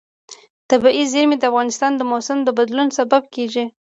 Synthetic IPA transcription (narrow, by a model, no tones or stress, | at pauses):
t̪abiʔizeɾmid̪əafɣɑnɪst̪ɑnd̪əmosɪmd̪əbad̪lunsabab̚keʒi